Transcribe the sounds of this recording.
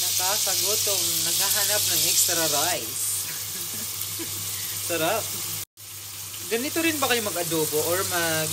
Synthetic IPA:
nɐkaːsɐɡot̪oŋnɐɡ̚haɦanɐp̚nɐŋʔɛkst̪ɾɐɾajs | ɐɾap | ɡɐnɪt̪oɾɪnbɐkɐjomɐɡɐd̪oːboʔoɹmɐɡ

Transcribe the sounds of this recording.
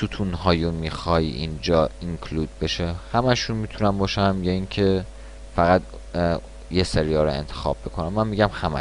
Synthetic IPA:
sʰut̪ʰunɦɒːjunmiːxɒːjiʔind͡ʒɒːiŋkʰluːd̪̥̚be̞ʃehæmæʃunmiːt̪ʰunæmbɒːʃæmjɒiŋcʰe̞ | fæɣæd̪ | jeseɾijɒːɾoḛnt̪ʰe̥xɒ̰ːb̥ːekʰonæmːænmiːɟæmhæmæ̰

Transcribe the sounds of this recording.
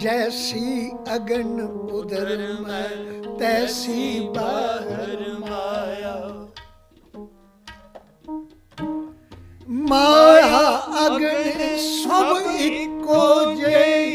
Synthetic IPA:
d͡ʒɛːsi | ɐɡəɳʊd̪ʱəɾmat̪ɛːsiːbaːɦɪɾmaːjaː | maːjaɐɡəɳnsɐbɪkːod͡ʒe

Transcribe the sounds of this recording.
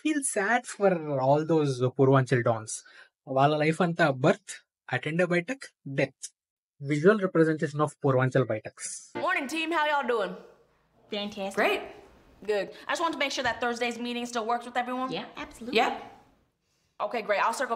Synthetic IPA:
fiːlsæɖfɔɾɔːld̪oːzpuɾʋãːnt͡ʃəlɖɔ̃ːns | ʋaːləlaɪfɐ̃nt̪abəɾt̪ʰ | ʔɐʈʰɛ̃ɳɖəbaɪʈəkɖet̪̚ | ʋɪʒuəlɾɛpɾɛzɛ̃ɳʈeːʃə̃nɔfpuɾʋãːnt͡ʃəlbaɪʈəksmɔɹnɪ̃ŋtʰĩmhaʊjɔlˠduɪ̃ŋ | fæ̃ntʰæsɡ̥ɹeɪt̚ | ɡʊd̚aɪd͡ʒʌstwɑ̃ntəmeɪkʃʊɹðət̪̚θɜ˞zdeɪzmiɾɪ̃ŋstɪlˠwɜ˞kswɨðɛvɹiwʌ̃njæʔæb̥səlujæ | ʔoʊkʰeɪɡɹeɪtaɪlsɜ˞kl

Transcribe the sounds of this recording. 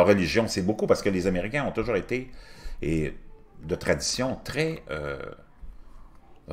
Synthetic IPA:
lʁːəliʒjɔ̃sɛbokupaʁsə̥kəlezameʁikʲɛ̃ɔ̃t̪uʒuːʁet̪ee | d̪ət̪ʁad̪isjɔ̃t̪ʁɛ̰

